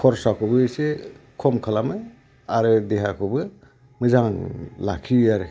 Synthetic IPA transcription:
kʰɔɾsakʰɯbɯsekʰɔmkʰalamɯ | aɾɯd̪eɦakʰɯbɯ | mɯzaŋla̰kʰiaɾɯ

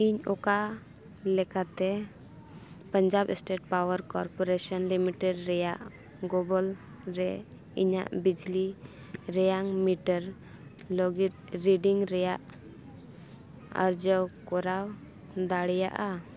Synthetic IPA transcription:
iɲɔka | lɛkat̪ɛ | pəɲd͡ʒabɛ̰sʈeʈ̚pawəɾkɔɾpɔɾesənlimiʈɛɖɾɛjaʔ | ɡɔbɔl | ɾɛ | ḭɲa̰ʔbid͡ʒli | ɾɛjaŋmiʈəɾ | loɡit̪̚ɾiɖiŋɾɛjaʔ | ə̰ɾd͡ʒəwkɔɾaw | d̪aɽɛja̰ʔa

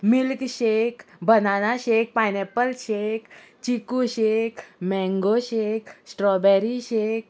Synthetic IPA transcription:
milkɕekbənanaɕek̚pajnɛpəlɕek | t͡ɕikuɕekmɛ̃ŋɡoɕeksʈɾɔbɛɾiɕek̚

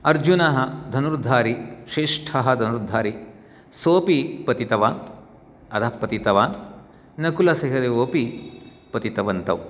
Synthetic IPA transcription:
ɐɾd͡ʒunɐɦɐd̪ʱɐnuɾd̪ʱaːɾiʃeːʂʈʰɐɦɐ̆d̪ʱɐnuɾd̪ʱːaːɾi | soːpipɐt̪it̪ɐʋaːn | ɐd̪ɐpɐt̪it̪ɐʋaːn | nɐkulɐsɐɦɐd̪eoːpi | pɐt̪it̪ɐʋɐnt̪ɐw

